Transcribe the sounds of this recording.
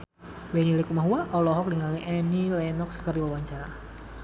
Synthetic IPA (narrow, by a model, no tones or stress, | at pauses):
wɛnilikumaɦuaʔɔlɔɦɔk̚liŋaliʔɛnilɛnɔkskərdiwawaɲt͡ʃaɾa